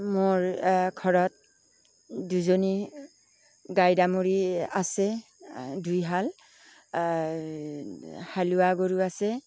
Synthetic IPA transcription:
mʊɹkʰɔɹɔt̚ | duzoni | ɡajdamoɹiasɛ | dujɦal | haluaɡoɹuasɛ

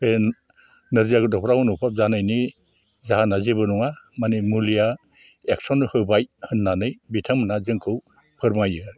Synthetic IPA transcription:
pʰen | nɯɾziaɡɯdɔpʰɾawnupʰap̚zanɯjni | zaɦanazebɯnuŋamanimulija | ek̚sɔnhɯbajhɯnːanɯjbitʰaŋmɯnazɯŋkʰɯw | pʰɯɾmajɯɾ

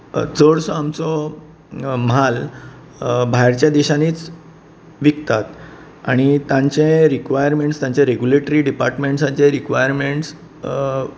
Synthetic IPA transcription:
t͡səɽsɔamt͡sɔ | mɦal | bʱajɾt͡ɕjad̪iɕaniːt͡s | ʋik̚t̪at̪ | a̰ɽ̃it̪jãɲt͡ɕẽɾikʋajəɾmeɳʈst̪jãɲt͡ɕeɾeɡjuleʈɾiːɖipaɾʈmeɳʈsãɲt͡ɕẽɾikʋajəɾmeɳʈs

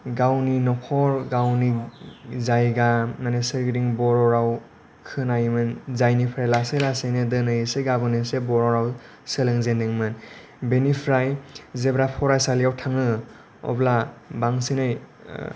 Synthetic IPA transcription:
ɡawninɔpʰɔɾɡawni | zajɡananesɯɾɡɾiŋbɔɾɔɾaw | kʰɯnajmɯnzajnipʰɾajlaselasejnɯdɯnɯjseɡabɯnɯsebɔɾɔɾaw | selɯŋzendeŋmɯn | benipʰɾajzebɾapʰɔɾajsalijawtʰaŋɯ | ɔ̰blabaŋsinɯj

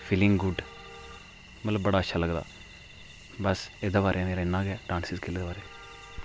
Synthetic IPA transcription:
fʰilɪ̃ŋɡɡʊɖ | mɐt̪ləbbəɽaːəʃʰaːləɡd̪a̰ː | bɐsed̪əʋaːɾʔeaneɾenːãːɡɛːɖãːnsiskelːed̪əʋaːɾe

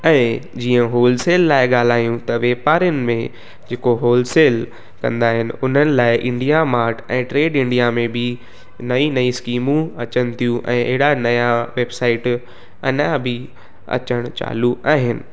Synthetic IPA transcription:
ɛ̃ːd͡ʑiːə̃ɦoːlseːlːaːɪɡaːl̤aːjũt̪ɐʋeːpaːɾjənɪ̆mẽ | d͡ʑeːkoɦoːlseːl | kɐ̰̃nd̪aːɦɪnɪ̆ʊn̤ənɪ̆laːɪʔɪ̃ɳɖijamaːɾʈʰɛ̃ːʈɾeːɖɪ̃ɳɖijamẽbʱɪ | nɐinɐĩskiːmũɐt͡ɕənɪ̆t̪ʰijũʔɛ̃ːʔɐɦɪɽanɐjaʋeːbsaːɪʈ | ɐ̰nabʱɪ | ɐ̰t͡ɕəɽ̃t͡ɕa̰ːluʔa̰ːɦɪnɪ̰̆

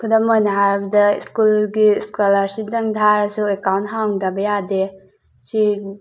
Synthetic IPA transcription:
kʰudɔmojnɐɦaɾbɐdɐiskulɡiskolaɾsip̚daŋdʰʱaɾsuekawntɦawŋdɐbɐjade | si

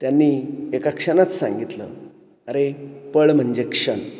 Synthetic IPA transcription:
t̪janːiːekakʂənat͡s̪sã̰ŋɡit̪lə̰ | əɾepəɭm̤əɳd͡ʑekʂəɳ

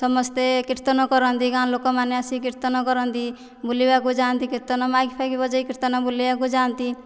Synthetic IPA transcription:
sɔmɔst̪ekiɾt̪ɔnɔkɔɾɔnd̪iɡãnlokɔmaneəsikiɾt̪ɔnɔkɔɾɔnt̪i | bulibakud͡ʒaːnt̪ikiɾt̪ɔnɔmakipʰakibɔd͡ʒɔikiɾt̪ɔnɔbuliakud͡ʒaːnt̪i

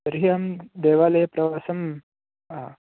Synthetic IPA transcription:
ɐɾɦijɐmd̪eːʋaːlɐjpɾɐʋaːsɐm

